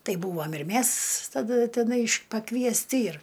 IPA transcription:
ˈtɐɪ ˈbuːʋɐm ɪr ˈmʲæs tɐˈdɐ tʲɛˈnɐɪ pɐkʋʲiɛsʲˈtʲɪ ɪr

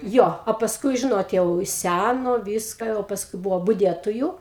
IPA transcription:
ˈjoː oː pɐsˈkʊɪ ˈʒʲɪnoːt ˈjɛʊ ˈsʲænoː ˈʋʲiːskɐ jɛʊ pɐsˈkʊɪ ˈbʊʋoː bʊˈdʲiɛtoːjʊ

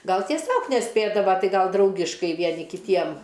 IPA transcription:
ˈɡɐlˠ tʲiɛˈsʲoːk nʲɛˈsʲpʲeːdɐʋɐ ˈtɐɪ ˈɡɐlˠ ˈdrɐʊɡʲɪʃkɐɪ ˈʋʲiɛnʲɪ kʲɪˈtʲiɛm

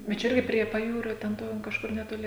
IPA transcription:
bʲɛt ˈt͡ʃʲɛ ˈɪrʲɡʲɪ pʲrʲiɛ pɐˈjuːrʲoː tʲɛn ˈtoː kɐʃˈkʊr nʲɛtoːˈlʲɪ

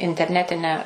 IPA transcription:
ɪnʲtʲɛrʲˈnʲæːtʲɪnʲæː

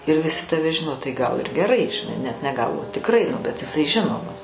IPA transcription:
ɪr ʋʲɪˈsʲɪ tɐˈʋʲɛ ˈʒʲɪnoː tɐɪ ˈɡɐlˠ ɪr ɡʲɛˈrɐɪ ʒʲɪˈnɐɪ ˈnʲɛt nʲɛ ˈɡɐlˠ oː tʲɪkˈrɐɪ nʊ bʲɛt jɪˈsɐɪ ˈʒʲɪnoːmɐs

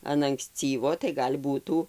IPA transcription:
ɐn ɐŋkˈsʲt͡sʲiːʋoː tɐɪ ɡɐlʲ ˈbuːtuː

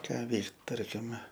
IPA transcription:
ˈkɑː ˈʋʲɛɪkt ˈtɐrʲkʲɪmʲɛ

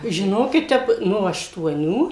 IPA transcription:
ʒʲɪˈnoːkʲɪt ˈtʲɛp ˈnoː ɐʃtuɔˈnʲuː

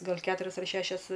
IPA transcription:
ˈɡɐlˠ ˈkʲæːtʊrʲɛs ɐr ˈʃʲæːʃʲɛs

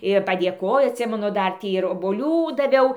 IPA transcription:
ɪr pɐdʲeːˈkoːjoː ɐtʲˈsʲɪmʲɛnʊ ˈdɐr ˈtʲiː ɪr oːboːˈlʲuː dɐˈʋʲɛʊ

